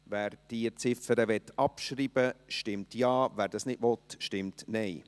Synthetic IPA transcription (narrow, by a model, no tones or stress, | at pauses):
væːɾd̥it͡sɪfəɾəʋɛt̪ːɑpʃɾiːb̥əʃtɪmtjɑːvæːɾd̥ɑsnɪdʋɔt̪ʃtɪmtnɛɪ